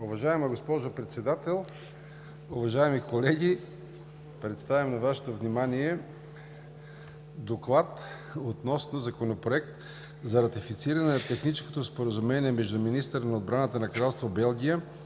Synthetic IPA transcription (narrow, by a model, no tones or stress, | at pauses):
ʊvɐʒaɛməɡospɔʒopɾɛt̪sɛd̪at̪ɛlˠ | ʊvɐʒaɛmikolɛɡʲi | pɾɛt̪st̪avɛmnɐvaʃɛ̥t̪ovnimaniɛ | d̪oklˠat̪ | ot̪nɔsnozɐkonopɾoɛkt̪ | zɐɾɐt̪ifit̪siɾɐnɛnɐt̪ɛxnit͡ʃɛ̥skot̪ospoɾəzumɛniɛmɛʒd̪uminist̪əɾənɐod̪̚bɾanət̪ənɐkɾalˠst̪vobɛlˠɡʲijə